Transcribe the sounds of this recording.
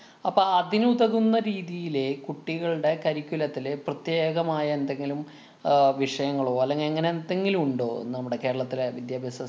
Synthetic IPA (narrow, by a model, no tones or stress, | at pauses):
ɐpːoɐðinuðɐɣunːɐɾiːðijile̞kuʈːiɣɐɭɨɽe̞kɐɾikʲːulɐt̪ːileprɐt̪jeːɣɐmaːjɐend̪e̞ŋɡilum | ʋiʂɐjɐŋːɐɭoːɐlːeŋɡiɐŋːɐneend̪e̞ŋɡilumuɳɖo̞ːḛnnɐmuɽe̞ke̞ːɾɐɭɐt̪ːilʋid̪jaːbʱjɐsɐ